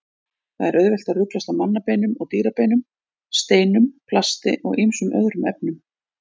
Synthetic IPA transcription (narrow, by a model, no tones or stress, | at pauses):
θaðɛɾʔœɥðvɛl̥t̪aðrʏklast̪awmanːapeːjnʏmɔɣt̪iːɾapeːjnʏm | st̪eːjnʏmpʰlast̪ɪ̰ʔɔ̰ɣimsʏmʔœ̰ðɾʏmɛp̚nʏm